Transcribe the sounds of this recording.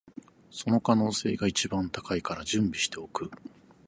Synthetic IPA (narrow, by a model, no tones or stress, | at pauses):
so̞no̞kano̞ːse̞̰ːɡait͡ɕibãnt̪ḁkaikaɾad͡ʑɨ̃mbʲiɕi̥t̪e̞o̞kɯ̟